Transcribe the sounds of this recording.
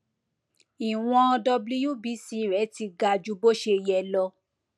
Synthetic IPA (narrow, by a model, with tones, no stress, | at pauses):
i˨w̃ɔ̃˧dɔ˧bli˧ju˦bi˨˦si˧˦ɾɛ˨˦ti˧ɡa˧d͡ʒu˧˦bo˦ʃe˧jɛ˧lɔ˧